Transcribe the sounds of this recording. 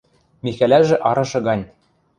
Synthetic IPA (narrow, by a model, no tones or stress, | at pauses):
mixælæʒĕʔɑɾɤ̆ʃɤ̆ɣɑnʲ